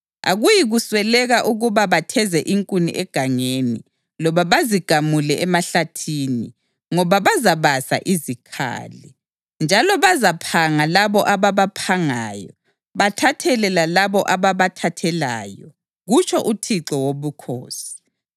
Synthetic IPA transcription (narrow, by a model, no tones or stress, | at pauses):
a̰ɣujiɣuswɛlɛɣaʔuɣuβaβatʰɛzɛʔiŋkʼunḭʔɛɡ̥ʱaŋeni | lɔβaβaziɡ̥ʱamulɛʔɛmaɬatʰini | ŋɔβaβazaβasa̰ʔizikʰa̰ːli | nd͡ʒʱalɔβazapʰaŋalaβɔʔaβaβapʰaŋaːjɔ | βatʰatʰɛlɛlalaβɔʔaβaβatʰatʰɛla̰ːjɔ | ɣut͡ʃʼʰɔʔutʰiǁɔwoβukʰo̰ːsi̥